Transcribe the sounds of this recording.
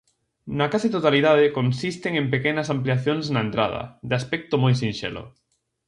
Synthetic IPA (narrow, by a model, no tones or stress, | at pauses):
nakasit̪ot̪aliðaðekonsist̪eŋẽmpekenasampliaθjonsnaent̪ɾa̰ð̞ɐ̰d̪ɪaspɛk̚t̪omojsinʃḛlo̰